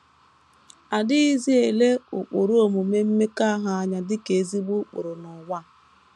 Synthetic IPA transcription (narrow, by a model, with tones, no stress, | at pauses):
a˨dɪ˦i˦zi˦e˨le˦ʊ˨k͡pʊ˨ɾʊ˦o˨mu˨me˦m̩˦me˦ka˦a˦ɦa˨a˨ɲa˨dɪ˦ke˨zi˦ɡ͡bu˦k͡pʊ̰˨ɾʊ˨nɔ˨wa˦